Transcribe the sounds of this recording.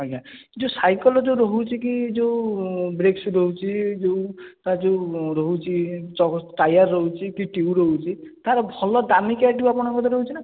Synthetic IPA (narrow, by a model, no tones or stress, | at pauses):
ɦɔjad͡ʒewsajkɔlɔd͡ʒeũɾɔɦut͡ʃʰik̬id͡ʒeubɾeksɾɔɦut͡ʃʰid͡ʒeut̪ad͡ʒeuɾɔɦut͡ʃʰit͡ʃɔʈajaɾːɔɦut͡ʃʰikiʈiuɾɔɦut͡ʃʰit̪aɾɔbʱɔlɔd̪amikaʈiuapɔɽ̃ɔŋkɔt̪ɔɾɔɦut͡ʃʰina